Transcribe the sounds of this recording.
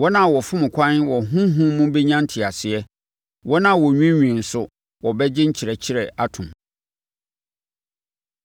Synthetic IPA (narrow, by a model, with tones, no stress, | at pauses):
wɔ˦nã˦˨wɔ˨fʊ̃˦mʊ̃˨kʷʰã˦nwɔ˨ɦũ˦ɦũ˦mũ˦bɛ˦ɲã˦n˦tʰɪ˨a˨sɪ˨ɛ˦ | wɔ˦nã˦˨wɔ˨ɲᶣĩ˦ɲᶣĩ˨n̩˨sʊ˦ | wɔ˨bɛ˦d͡ʑɪ˦ɲ̩˦t͡ɕʰɪ˨ɾɛ˨t͡ɕʰɪ˦ɾɛ˨a˨tʰʊ̃˨m